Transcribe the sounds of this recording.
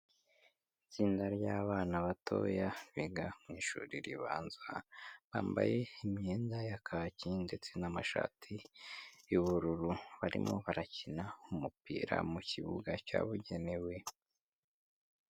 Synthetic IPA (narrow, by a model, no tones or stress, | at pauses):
it͡siːndaɾɟaːβaːnaβatʰo̰ːjaɾwiɡamŋiːʃṵɾiɾiβaːnzaβa̰ːmba̰je̞imɲeːndajakʰacinde̞t͡se̞namaʃa̰ːtʰi | uβuɾuɾuβaɾḭmo̞̰βaɾacinaumupḭːɾa̰muciβuɡaca̰ːβuɟe̞ne̞we̞